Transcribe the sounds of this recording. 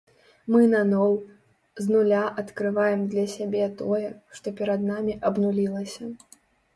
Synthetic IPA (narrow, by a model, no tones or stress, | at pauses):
mɨnɐnɔw | znulʲaʔɐt̪kɾɨvajɛmd̪lʲɐsʲabʲɛt̪ɔjɛʂt̪ɔpʲɛɾɐd̪namʲiʔɐbnulʲilˠɐsʲɐ